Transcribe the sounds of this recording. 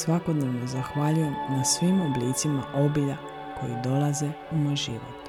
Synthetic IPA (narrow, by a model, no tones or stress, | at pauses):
sʋako̞d̪ne̞ʋno̞zaxʋaːʎuje̞mnasʋimo̞bliːt̪simaʔo̞biʎa | ko̞jid̪o̞laze̞umo̞jʒiʋo̞̰t̪